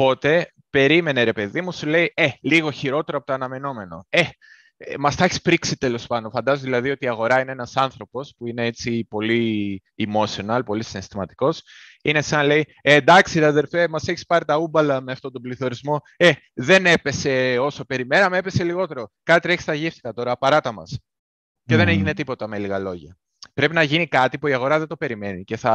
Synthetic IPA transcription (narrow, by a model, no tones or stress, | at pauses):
po̞t̪e̞ | pe̞ɾime̞neɾe̞pe̞ðimusule̞ieliɣo̞çiɾo̞t̪e̞ɾoɐpo̞t̪oɐnɐme̞no̞me̞no̞̰e̞ | mɐst̪ɐçi̥spɾiksit̪elo̞spɐndonfɐnd̪ɐzoðilɐðio̞t̪iːɐɣo̞ɾɐineenɐsɐnθɾo̞po̞spuine̞et͡sipo̞liː | mo̞sio̞nɐlpo̞lisinst̪imɐt̪i̥ko̞s | ine̞sɐnle̞jed̪ɐksiɐðe̞lfemɐse̞çi̥spɐɾit̪ɐubɐlɐme̞ɐft̪o̞t̪o̞bliθo̞ɾizmo̞ | e̞ | ðe̞ne̞pe̞se̞oso̞pe̞ɾime̞nɐmeepe̞se̞liɣo̞t̪e̞ɾo̞kɐt̪it̪ɾeçist̪ɐʝefθi̥t̪ɐt̪o̞ɾɐpɐɾɐt̪ɐmɐs | ce̞ðe̞neʝine̞t̪ipo̞t̪ɐme̞liɣɐlo̞ʝɐ | pɾe̞pinɐʝinikɐt̪ipuiɐɣo̞ɾɐðe̞nd̪o̞pe̞ɾime̞nice̞θɐ